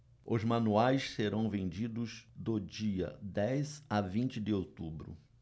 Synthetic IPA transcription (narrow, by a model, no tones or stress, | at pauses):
ʊzmɐ̃nuajsseɾɐ̃w̃vẽd͡ʒid̪ʊzd̪ʊd͡ʒiɐ̰d̪ɛjzavĩnt͡ʃɪd̪ɪowt̪ubɾʊ̰